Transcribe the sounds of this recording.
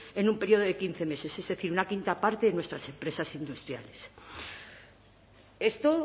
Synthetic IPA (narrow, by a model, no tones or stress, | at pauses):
e̞numpe̞ɾjio̞ð̞oðe̞kin̟θe̞me̞se̞se̞zðe̞θiɾunakint̪apaɾt̪eðenwe̞st̪ɾase̞mpɾe̞sasind̪ust̪ɾja̰le̞s | e̞st̪o